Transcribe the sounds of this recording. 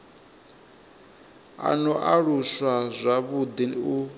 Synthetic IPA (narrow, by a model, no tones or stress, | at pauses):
a̰nɔʔaɺuswazʷaβud̪iniu